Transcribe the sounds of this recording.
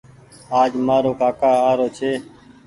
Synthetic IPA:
aːd͡ʒmaːɾoːkaːkaːaːɾoːt͡ʃʰeː

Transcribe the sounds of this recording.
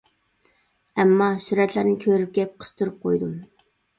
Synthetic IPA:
ɛmːɑsyɾɛt̪ʰlæɾnɪkʲʰøɾyp̚kʲɛp̚qʰə̥st̪ʰuɾup̚qʰojd̪u

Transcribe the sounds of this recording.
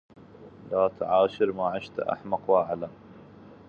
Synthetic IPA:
laːt̪ʕaːʃɪɾmaʕɪʃt̪aʔa̰ħmɑqwʔaʕlan

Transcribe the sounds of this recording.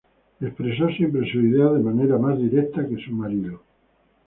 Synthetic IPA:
e̞spɾe̞sosje̞mpɾesuiðeaðemaneɾamazðiɾekt̪ake̞sumaɾiðo

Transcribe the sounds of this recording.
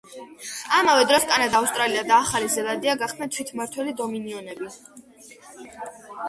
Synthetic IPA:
amavɛd̪ɾɔskʼanad̪aːust̪ʼɾaliad̪aːχalizɛlˠad̪iaɡaχd̪nat̪ʰwit̪ʰmaɾt̪ʰwɛlid̪ɔminiɔnɛbi

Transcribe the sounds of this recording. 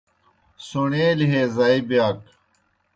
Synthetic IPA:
suɳeːlɦeːzaibijaːk

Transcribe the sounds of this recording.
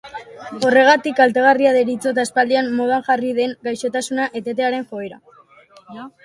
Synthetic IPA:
o̞re̞ɣ̞at̪ikalt̪e̞ɣ̞ariaðeɾit͡so̞t̪aespald̪ianmo̞ðaŋʝariðe̞ŋɡajʃo̞t̪asunaʔe̞t̪e̞t̪e̞aɾe̞ŋxoeɾa̰

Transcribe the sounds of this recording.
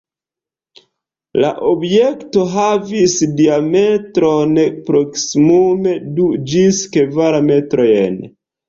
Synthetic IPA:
la̰ʔobje̞kto̞ɦavisdiametɾo̞npɾo̞ksimume̞dud͡ʒiskevaɾame̞tɾo̞jḛn

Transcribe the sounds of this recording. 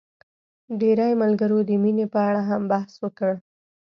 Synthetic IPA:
ɖeɾajmalɡaɾod̪əminepəaɽaɦambahswəkəɽ

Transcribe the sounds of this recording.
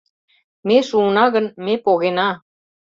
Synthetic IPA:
meʃunɑɣə̆nmepoɣenɑ

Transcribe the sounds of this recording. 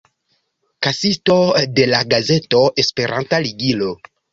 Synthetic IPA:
kasitode̞laɡaze̞toespe̞ɾʔa̰ntaliɡilo

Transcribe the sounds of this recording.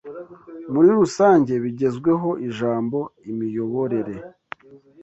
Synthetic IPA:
muɾiɾusaːɲɟe̞βiɟe̞zɡwe̞ɦo̞ʔiʒaːmbo̞imijo̞βo̞ɾe̞ɾe̞

